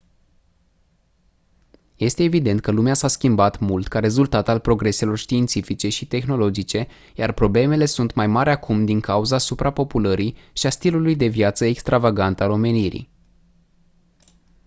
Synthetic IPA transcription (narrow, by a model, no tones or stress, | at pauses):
je̞st̪e̞ːvid̪e̞nt̪̚kəlumeasaskʲimbat̪mult̪kaɾe̞zult̪at̪alpɾo̞ɡɾe̞se̞lo̞rʃt̪iːnt̪sifit͡ʃe̞ʃit̪e̞xno̞lo̞d͡ʒit͡ʃe̞ | jarpɾo̞ble̞me̞le̞sunt̪majmaɾakʰumd̪iŋkauzasupɾapo̞puləɾiʃiast̪ilulujd̪e̞vjat̪səekst̪ɾavaɡant̪alo̞me̞niɾḭ